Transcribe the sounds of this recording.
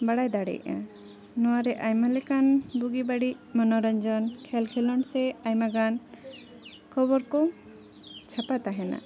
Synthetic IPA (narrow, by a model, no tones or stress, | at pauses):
baɽajd̪aɽɛ̰jã̰ | nɔwaɾɛʔajmalɛkanbuɡibaɽimɔnɔɾɔɲd͡ʒɔnkʰɛlkʰɛlɔnsɛajmaɡan | kʰɔbɔɾkɔ | t͡ʃʰapat̪aɦɛna̰